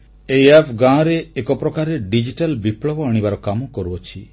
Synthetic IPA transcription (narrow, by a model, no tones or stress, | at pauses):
ejapʰɡãɾeːkɔpɾɔkaɾeɖid͡ʒiʈalbipɭɔbɔaɽ̃ibaɾɔkamɔkɔɾuɔt͡ʃʰi